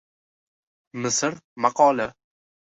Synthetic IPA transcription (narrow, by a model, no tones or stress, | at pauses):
mɪsɨɾmaqʰɒla